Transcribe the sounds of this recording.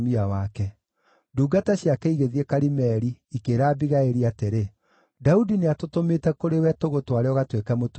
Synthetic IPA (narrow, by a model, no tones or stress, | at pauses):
miawakɛ | duːɡataɕjakɛiɣeðiɛkaɾimɛɾiːkeːɾaːbiɣaeɾiateɾe | daudineatotometɛkoɾewɛtoɣotwaɾeɔɣatwekamot